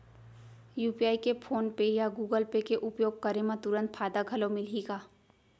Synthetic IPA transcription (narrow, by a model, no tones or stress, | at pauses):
juːpiaːikepʰoːnpejaɡuːɡəlpekeʔʊpjoːɡ̚kɐɾemãt̪ʊɾə̃nt̪̚fʰaːd̪aɡʱɐlomɪliːɡaː